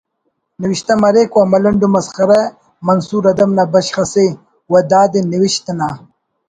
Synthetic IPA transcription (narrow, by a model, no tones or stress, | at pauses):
niwiɕt̪ɐmɐɾeːkwamɐlɐɳɖumɐsxɐɾe | mɐnsuːɾɐd̪ɐmnabɐɕxɐse | wɐd̪aːd̪eniwiɕt̪ɐna